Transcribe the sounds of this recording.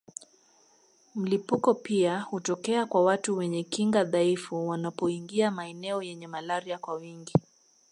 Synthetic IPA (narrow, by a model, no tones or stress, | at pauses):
m̩lipukɔpiahutɔkɛakwawatuwɛɲɛkiŋɡaðaifuwanapɔiŋɡiamaɛnɛɔjɛɲɛmalaɾiakwawiŋɡi